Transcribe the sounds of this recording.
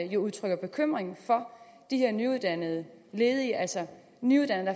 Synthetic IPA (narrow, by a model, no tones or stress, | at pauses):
jo̝uðˠt͡sʰʁœɡ̥ɐb̥e̝kʰøm̰ʁeŋn̩fɒ̽ | d̥iheɐnyuð̞ˠd̥ænəð̞̩ˠə | le̝ːð̞̩ˠiʔælsɒ | nyuðˠd̥ænð̩ˠd̥ɑ